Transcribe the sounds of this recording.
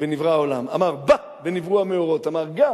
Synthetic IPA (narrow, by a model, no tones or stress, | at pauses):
venivʁaolama̰maʁba | benivʁuameoʁo̞tamaʁɡa